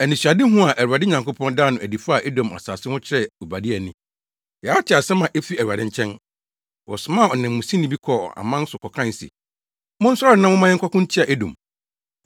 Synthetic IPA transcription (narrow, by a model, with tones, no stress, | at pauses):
æ˨nɪ̃˨ɕᶣa˨dɪ˦ɦʊ̃˦a˨ʔæ˨a˨dɪ˦ɲã˨ŋko˦pʰɔ̃˦ndaː˦nʊ̃˨æ˨di˨fa˦˨ʔe˦dõ˨ma̰˨saː˨sɪ˦hʊ̃˦t͡ɕʰɪ˦ɾɛ˦u˨ba˨dɪ˦ɛ˨nɪ̃˨ | jɛ˨a˦tʰɪ˨a˨sɛ˦mã˨ʔɛ˦fi˦æ˨ɾa˨dɪ̃˦ɲ˦t͡ɕʰɛ̃˦n | wɔ̰˨sʊ˨mã˦˨ɔ˨nɪ̃˨mː˨ʊ̃˨sĩ˦nɪ̃˦bi˦kʰɔ˨a̰˨mã˦n˦sʊ˨kʰɔ˨kʰã˦n˨sḭ˨ | mʊ̃˦n̩˦sʊ˦a˦nã˦m˦ʊ̃˦mã˦jɪ˦ŋ̩˦kʰa˦kʊ̃˦t͡ɕʰi˦a˨ʔe˦dõ̰˨m